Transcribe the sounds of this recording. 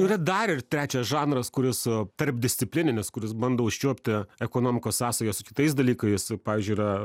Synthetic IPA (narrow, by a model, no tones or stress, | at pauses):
iːɾɐd̪ɐɾɪrt̪ʲɾʲæːt͡ʃʲɛsʒɑːnɾɐskʊɾʲɪst̪ɐrp̚d̪ʲɪsʲt̪sʲɪpʲlʲɪnʲɪnʲɪskʊɾʲɪsbɐnd̪oːʊʃʲt͡ʃʲuɔpʲt̪ʲɪɛkoːnoːmʲɪkoːsːɑːsɐjosʊkʲɪt̪ɐɪs̬d̪ɐlʲiːkɐɪspɑːʋʲiːzʲd͡ʒʲʊɪiːɾɐ